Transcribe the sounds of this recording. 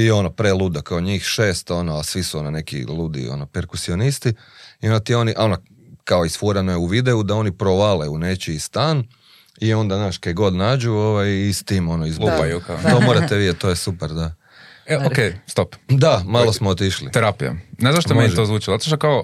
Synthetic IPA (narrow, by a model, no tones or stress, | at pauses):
io̞nopɾelˠud̪akaoɲiːxʃe̞ːst̪o̞noasʋisuonone̞kḭluːd̪ḭo̰nopeɾkusio̞nist̪i | io̞nd̪at̪io̞niʔono | kaoisfoɾanojeuʋid̪e̞ud̪ao̞nipɾoʋaleune̞t͡ʃiːst̪aːn | io̞nd̪aznaːʃkaeɡo̞d̪naːd͡ʒuo̞ʋajist̪iːmo̞noizbuajukat̪omoːɾat̪eʋiet̪o̞ːjesupeɾd̪a | eokejst̪opd̪amalˠosmoːot̪iʃlḭt̪eɾapija̰nezaʃt̪omeiʒt̪ozʋuːt͡ʃilzat̪oʃ̬t̪okao